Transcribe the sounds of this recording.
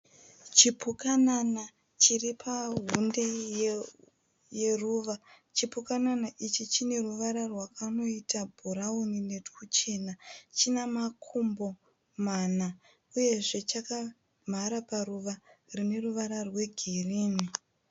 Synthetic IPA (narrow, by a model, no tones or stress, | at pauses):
t͡ʃipukanana | t͡ʃiripʰaɦunde̞ | je̞ruːʋa | t͡ʃipukananaʔit͡ʃit͡ʃine̞ruʋaɾarwakano̞itabʱuɾaunine̞tkut͡ʃe̞nat͡ʃinamakʰumbo̞ | mana | uje̞ʐe̞t͡ʃaka | m̤aɾaparuʋarine̞ruʋaɾarwe̞ɡʱiriːni